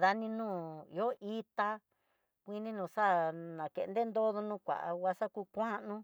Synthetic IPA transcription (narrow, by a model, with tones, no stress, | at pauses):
ða˧nĩ˧nũː˦˨ḭ˧o˦ʔi˦t̪a˧ | kʷi˦nĩ˦nũː˨sa˦nã˨kḛ˧˨˧nd̪e˦nd̪o˦ðo˧nũ˦kʷa̰˨ʔa̰˧wa˧˦sa˦kuː˧˦kʷã˦nũ˦